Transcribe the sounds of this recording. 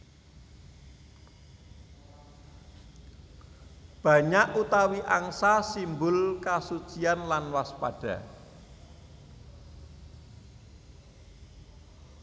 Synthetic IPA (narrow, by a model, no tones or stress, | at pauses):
b̥ä̤ɲaʔut̪awiʔaŋsasimbʊlkasut͡ʃianlanwaspad̥ä̤